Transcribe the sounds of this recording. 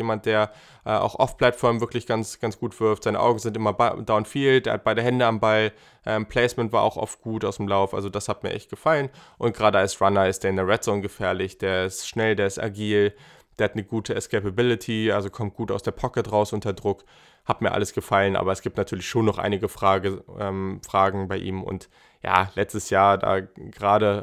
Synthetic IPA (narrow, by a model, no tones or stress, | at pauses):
eːmant̚d̥eːɐ | ʔɛʔa̰ʊxʔɔ̰fpʰl̥atfɔɐmvɪɐklɪçɡ̥ansɡ̥ansɡ̥uːtv̥ɪɐftz̥aɪnə̰ʔa̰ʊɡŋ̩zɪntʔɪmɐbd̥aʊnfiːld̥eːɐhat̚b̥aɪɾɐɦɛndəambal | ʔɛːmpʰl̥ɛɪsmɛntv̥aːɐʔa̰ʊxʔɔ̰ft̚ɡ̥uːtaʊsd̥emlaʊfʔa̰lzodashat̚miːɐʔɛçt̚ɡ̥əfalənʔʊntɡ̥ʁaːdəalsʁanɐɪst̚d̥eːɐndɛʁɛtz̥onɡəfɛːɐlɪçd̥eːɐɪstʃnɛldeːɐɪsta̰ɡiːl | d̥eːɐhatnəɡuːtʰəɛskʰɛɪpabɪlɪtʰiʔalzokʰɔmt̚ɡ̥uːta̰ʊsd̥eːɐpʰɔkətʁaʊsʔʊntɐdʁʊk | hatmiːɐʔa̰ləsɡ̥əfalənʔa̰ːbɐɛsɡ̥iːp̚tnatʰyːɐlɪçʃoːnːɔχʔa̰ɪnɪɡəfʁ̥aːəʔɛːmfʁ̥aːɡŋ̩baɪʔḭːmʊ̰nt | ja̰ːlɛt͡stəsjaːɐda̰ːɡ̥əʁaːɾə